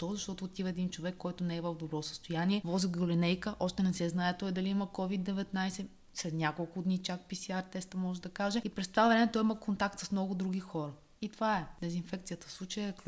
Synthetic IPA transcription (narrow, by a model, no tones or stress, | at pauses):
t̪ɔzɐʃt̪ɔt̪oːt̪ivəɛd̪int͡ʃovɛkːɔjt̪ʊnɛɛvəvd̪obɾɔsə̥st̪ojanʲiɛvɔziɡolinɛjkəʔɔʃt̪ɛnɛsɛznaɛt̪ɔɛd̪ɐliiməkɔvid̪ːɛvɛt̪najsɛ | slɛt̪nʲakolˠkʊd̪nit͡ʃak̚pisiaɾt̪ɛst̪əmɔʒɛd̪ɐkaʒɛipɾɛst̪ovavɾɛmɛt̪ɔjiməkont̪akt̪səsmnɔɡʊd̪ɾuɡʲixɔɾə | it̪ovaɛd̪ɛzinfɛk̚t̪sijət̪ə̥slˠut͡ʃəjk